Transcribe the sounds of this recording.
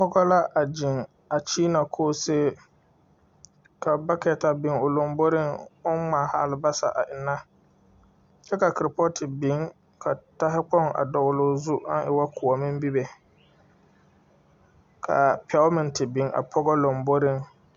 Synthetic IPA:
pɔ˦ɡɔ˦la˦ʔa˨d͡ʒɪ˨ŋ | a˨t͡ʃiː˦na˨kʰoː˦seː˦ | ka˨ba˦kɛ˨ta˨bɪ˨ŋʊ˨lo˨mbo˦ɾɪ˦ŋʊ˦nmaː˨ha˦˨lɪ˨ba˦sa̰˨ʔa̰˨ʔɪ˨nːa˦ | t͡ʃɛ˦ka˨kɪ˨ɾɪ˨pɔ˦tɪ˨bɪ˨˦ŋ | kʰa˨ta˦ɦɪ˦k͡pɔ˦ŋa̰˨dɔ˨ɣʊ˨lʊ˨zu˦ʔa˦nʔɪ˨wa˦kʰʊ˨ɔ˨mɪ̃˦m˦bi˦be˨ | kʰa̰˨pʰɛ˨˦mɪ˨ntɪ˨bɪ˨˦ŋʔa̰˨pʰɔ˦ɡɔ˦lo˨mbo˦ɾɪ˦ŋ

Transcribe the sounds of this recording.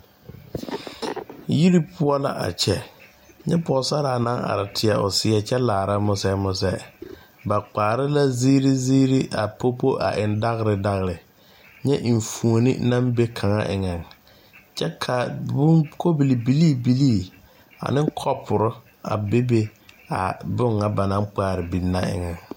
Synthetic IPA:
ji˦ɾi˦pʰʊ˦ɔ˦la̰˦ʔa̰˨t͡ʃɛ˦ | ɲɛ˦pɔ˨sa˦ɾa˨na˦ŋa̰˨ɾɪ˨tʰɪ˨ɛ˨ʊ̰˨sɪ˨ɛ˨t͡ʃɛ˦laː˨ɾa˦mʊ˦sɛ˦mʊ˦s̬ɛ˦ | ba˨k͡paː˨ɾɪ˦la˦ziː˦ɾi˦ziː˦ɾi˦ʔa˨pʰo˦po˦ʔa̰˨ʔɪ˨nda˦ɣɾɪ˨da˦ɣɪ˨ɾɪ˨ | ɲɛ˦ʔi˨ɱ˨fu˨o˨nɪ̰˦na˦mbe˦kʰa˨ŋa̰˦ʔɪ̰˨ŋa˨ŋ | t͡ʃɛ˦kʰa˨bʊ˦ko˦bi˨li˨bi˨liː˦˨bi˨liː˦˨ | a̰˨nɪ˦kʰɔ˦pʰʊ˨ɾʊ˦ | a̰˨be˦be˦ | a̰˨bʊ˦ŋːa˨ba˨na˦ŋk͡paː˦˨ɾɪ˨bi˨nːa˦ɪ̰˨ŋɛ˨ŋ

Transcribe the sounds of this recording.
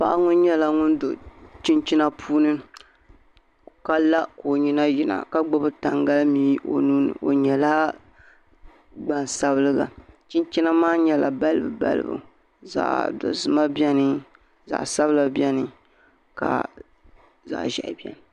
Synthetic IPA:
pa˦ʔa˦ŋʊ˦nɲɛ˦la˦ŋʊ˦ndo˨t͡ʃɪ˦nt͡ʃi˦na˦pʰuː˦nɨ˦˨ | ka˦la˦ko˨ɲi˦na˦ji˦na̰˨ka˦ɡ͡bo˦bɨ˦ta˨ŋɡa˦lmiː˦o̰˨nuː˦nɨ̰˨ʔo˨ɲɛ˨la˦ | ɡ͡ba˨n˨sa˦βɨ˦lɨ˦ɡa̰˨t͡ʃi˦nt͡ʃi˦na˦maː˦ɲɛ˦la̰˨ba˦lɨ˦bɨ̰˨ba̰˦lɨ̰˦bṵ˨ | za̰˨ʔdo̰˨zɨ˨ma˦bɛ˦nɨ˦ | za̰˨sa˦bɨ˦la˨bɛ˦nɨ˦ | ka̰˨ | za̰˨ʔʒɛ̰˨ʔbi˦ɛ̰˨nɨ˨

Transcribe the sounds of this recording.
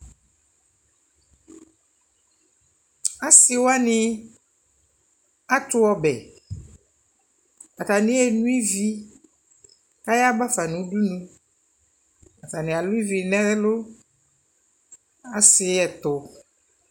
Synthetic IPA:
a˦si˨wo˦a˦nĩ˦ | a˦t̪ʊ˦ɔ˦bɛ̰˨ | a˨t̪a˨nĩ˦ɛ˨nũ˦i˦vi˦ | ka˦ja˦ba˦fa˨nũ˨˦ɖu˦nũ˦ | a˨fa˨nĩ˨a˨lũ˦i˦vi˨nɛ̃˦lo˦ | a˨sɪ˨ɛ˨t̪ʊ˨

